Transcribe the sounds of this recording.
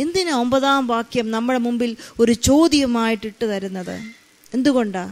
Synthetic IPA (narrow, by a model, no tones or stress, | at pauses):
end̪inɐo̞mbɐðaːmʋaːkjɐmnɐmːɐɽemumbilo̞ɾut͡ɕo̞ːðjɐmaːjiʈːiʈːɨt̪ɐɾunːɐðɨ̰ | e̞nd̪uɣo̞ɳɖaː